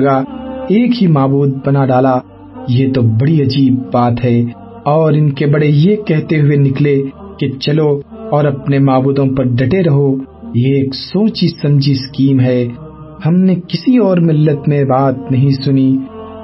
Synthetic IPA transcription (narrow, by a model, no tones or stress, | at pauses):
ɡaeːkɦimaːbuːd̪̚bɐnaɖaːla | jet̪obɐɽiɐd͡ʒiːbːaːt̪ɦɛː | ɔːɾɪnkebɐɽejekɛɦt̪eɦʊenɪkleket͡ʃɐloɔːɾɐpnemaːbuːd̪õpɐɾɖ̪ʱɐʈeɾɐɦo | jeːksõːt͡ʃisɐ̃md͡ʒʱiskiːmɦɛː | hɐmnekɪsiɔːɾmɪlːət̪mẽbaːt̪nɐɦĩsʊni